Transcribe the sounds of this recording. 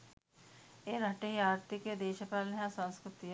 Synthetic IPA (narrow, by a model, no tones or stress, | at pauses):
eːɾʱɐʈejaːɾt̪iked̪eːʃəpaːlnɦãsə̃nskɾʊt̪i